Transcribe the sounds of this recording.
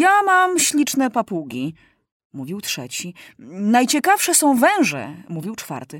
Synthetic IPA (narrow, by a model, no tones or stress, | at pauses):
jamamɕlʲit͡ʂnɛpapuɡʲi | muvʲiwtʂɛ̰t͡ɕinajt͡ɕɛkafʂɛsɔ̃w̃vɛ̃w̃ʐɛ̰muvʲiwt͡ʂfa̰ɾt̪ɘ